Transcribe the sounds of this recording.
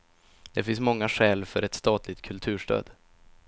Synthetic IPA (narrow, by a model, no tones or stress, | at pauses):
d̪̥ɛfɪnsmɔŋːaɧɛːlfœɾɛt̪st̪ɑːt̪lɪɡ̚t̪̚kʰɵlt̪ʰʉ̟ːʂʈø̰ːd̪